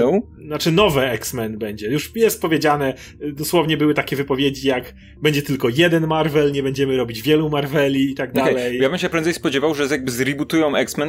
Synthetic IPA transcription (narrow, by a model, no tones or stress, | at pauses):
ɛ | nat͡ʂɘnɔvɛɛksmɛnbɛɲd͡ʑɛjuʂjɛst̪̚pɔvjed͡ʑanɛ | d̪ɔswɔvɲɛbɘwɘt̪akʲɛvɘpɔvʲjed͡ʑijak | bɛɲd͡ʑɛt̪ɘlkɔjɛd̪ɛnmaɾvɛlɲɛbɛɲd͡ʑɛmɘɾɔbʲid͡ʑvʲjɛlumaɾvɛlʲiːt̪aɡ̚d̪aɛjlɛjjabɘmɕɛpɾɛnzɛjspɔd͡ʑɛvawʐɛjaɡ̚bɘzɾʲibut̪ujɔ̃w̃ɛksmɛn